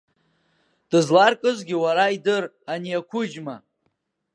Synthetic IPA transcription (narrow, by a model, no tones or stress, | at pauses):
d̥ɨzlarkʼɨzɡʲiwaɾaidɨr | aniakʷʰʊd͡ʒma